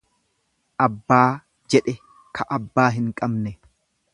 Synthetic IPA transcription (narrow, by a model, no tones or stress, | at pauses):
ʔɐbːaː | d͡ʒɛᶑɛ | kʰɐʔɐbːaːɦɪŋkʼɐbnɛ